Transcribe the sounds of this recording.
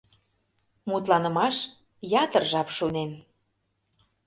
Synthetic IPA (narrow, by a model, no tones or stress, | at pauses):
mut̪lɑnə̆mɑʃ | jɑt̪ərʒɑpʃunen